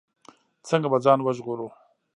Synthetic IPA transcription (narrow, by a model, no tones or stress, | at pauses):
t͡səŋɡabad͡zɑːnwəʒʁoɾu